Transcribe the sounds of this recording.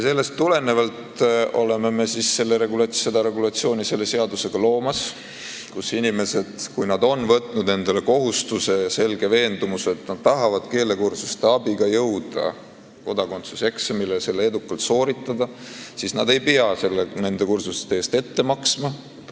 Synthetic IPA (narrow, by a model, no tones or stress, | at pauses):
jjɑse̞lːe̞st̪ːule̞ne̞vɑlt̪o̞le̞me̞me̞sisse̞lːeɾe̞ɡulɑse̞d̪̥ɑɾe̞ɡulɑt̪sio̞ːnʲise̞lːe̞se̞ɑd̪use̞ɡ̥ɑlo̞ːmɑs | kusinʲime̞se̞d̪̥kujnɑd̪o̞nvɤt̪ˑnud̪ne̞nd̪̥e̞le̞ko̞ɦust̪use̞ɑse̞lɡe̞ve̞ːnd̪umuset̪nɑd̪̥̚t̪ːɑɦɑvɑd̪̥ke̞ːle̞kursust̪e̞ɑbiɡ̥ɑjɤwd̪̥ɑ̰ | ko̞d̪̥ɑko̞nt̪suse̞ksemilese̞lːee̞d̪ukːˑɑlt̪so̞ːɾit̪ˑːɑd̪ɑ | sisnɑd̪e̞jpeɑse̞lːene̞nd̪e̞kursust̪ːeeːst̪e̞t̪ːe̞mɑksmɑ